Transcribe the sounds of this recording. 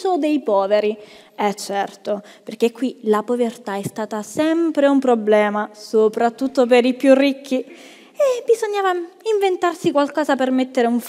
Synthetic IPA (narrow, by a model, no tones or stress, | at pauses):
od̪ejpɔːveɾi | ɛt͡ʃːɛrt̪o | perk̟ekːwilapovert̪aɛst̪aːt̪asɛmpɾeumpɾoblɛːmasopɾat̪ːut̪ːop̬eɾipjurːikʰːi | ebizoɲːaːvaiɱvent̪arsikwalkɔːzapermet̪ːeɾeuɱf